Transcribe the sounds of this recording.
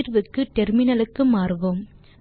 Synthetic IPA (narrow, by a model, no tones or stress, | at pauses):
ɾʋɯkːɯʈɛɾmɪnɐlɯkːɯmaːɾʋom